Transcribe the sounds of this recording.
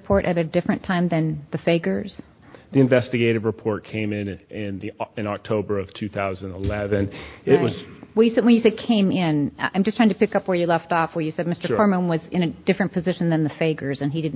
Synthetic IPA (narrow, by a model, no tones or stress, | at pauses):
pʰɔɹɾʔɨɾɨdɪfɹɨ̃ntʰãɪ̃mðɨ̃nðɨfeɪɡə˞z̥ | ðiɨ̃ɱvɛstɨɡeɪɾɨvɹɨpʰɔɹt̚kʰẽɪ̃mɪ̃nɪ̃nðiɨ̃nɑk̚tʰoʊbə˞ʌv̥tʰʉθaʊz̃nəlɛvɨ̃nɪʔ̚wʌzwɛjɨsɛdwɨ̃njɨsɛd̚kʰẽɪ̃mɪ̃nã̰ɪ̃md͡ʒʌstɹ̥aɪ̃ŋtʰɨpɪkʌpwə˞jɨlɛftɔfwə˞jɨsɛd̚mɪstə˞kɔɹmə̃nwʌzɨ̃ɾ̃ɨd̥ɪfɹɨ̃npʰɨzɪʃn̩ðɨ̃nðɨfeɪɡə˞zɨ̃nidɨdⁿ